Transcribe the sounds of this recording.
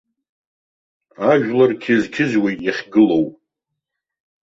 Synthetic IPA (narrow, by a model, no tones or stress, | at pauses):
aʒᶣlarkʲʰɪzkʲʰɪzwijjaχʲɡɨlo̞wpʼ